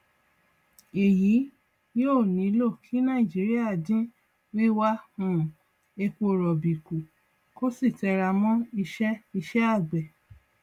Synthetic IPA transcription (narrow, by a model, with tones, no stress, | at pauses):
e˨ji˨˦ | joː˦˨nĩ˨˦lo˦˨kʰi˨˦nã˦˨i˨d͡ʒi˨˦ɾi˦a˦˨dĩ˦ | wi˦wa˦hũ˦˨ | e˧k͡po˧˨ɾɔ˨bi˨ku˨ | ko˦si˦˨tɛ˧ɾa˧mɔ̃˦i˧ʃɛ˦i˧ʃɛ˦a˦˨ɡ͡bɛ˨